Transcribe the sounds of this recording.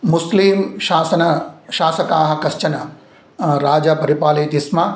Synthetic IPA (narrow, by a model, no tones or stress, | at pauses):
musliːmʃaːsɐnɐʃaːsɐkaːɦɐ̆kɐʃt͡ʃɐnɐ | ɾaːd͡ʒɐpɐɾipaːliːt̪ismɐ